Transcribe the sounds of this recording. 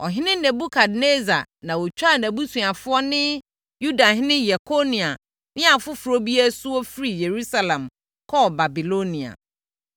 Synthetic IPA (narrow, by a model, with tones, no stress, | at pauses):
ɔ̰˨ɦɪ̃˦nɪ̃˦næ̃˨bu˦kʰa˨dne˦za̰˨nã˨wɔ˨t͡ɕᶣa˦˨næ˨bu˦sũ˨a˨fʊ˦ɔ˦nɪ̃˦ | ju˦da˨ɦɪ̃˦nɪ̃˦jɛ˨kʰo˦nĩ˨a˨ | nɪ̃˦a˨fʊ˦fu˨ɾo˦bi˦æ˦sʊ˦ɔ˦fi˦ɾi˨je˨ɾu˦sa˨lɛ̃˨m | kʰɔ˦˨ba˨bi˨lo˦nĩ˨a̰˨